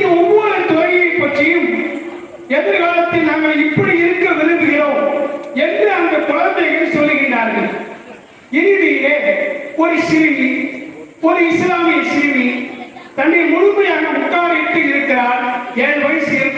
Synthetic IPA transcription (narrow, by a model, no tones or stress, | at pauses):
ɐɔmːɐːlɐt̪ɔɐɣɐjɐɪpːɐʈːrɪjɯm | ɛðɾɯkaːlɐt̪ːɪnɐŋɡɐɭɪpːɐɽiɪɾɯkːɐʋɪlɯnɡɯɣɐloːɛndrɯɐnd̪ɐkʊɻɐnd̪ɐɪɣɐlsɔlːɯɣɪɳdaːɾɣɐɭ | ɪnɪʋiːleːɔɾɯʃɪɾmi | ɔɾɯɪslaːmɪjɐʃɪɾɪmit̪ɐɳːɪmʊɽʊmːɐjaːnɐmʊkːaːɾɐɪʈ̪ːɯɪɾɯkːɐɾaːnɛnɐʋɐjɪsɛjɐ